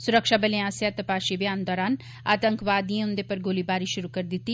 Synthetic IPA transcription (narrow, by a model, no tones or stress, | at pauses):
sʊɾəkʃaːbəlẽaːsjat̪ɐpaːʃibjaːnd̪ɔːɾaːn | a̰ːt̪ə̃ŋkʋaːd̪iẽʊ̃nd̪epɐɾɡoːlibaːɾiʃʊɾukɐɾd̪ɪt̪ːi